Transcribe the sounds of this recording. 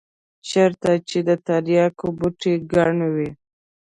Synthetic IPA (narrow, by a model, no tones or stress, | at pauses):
t͡ʃeɾt̪at͡ʃed̪ət̪aɾjɑkobuʈeɡaɳwi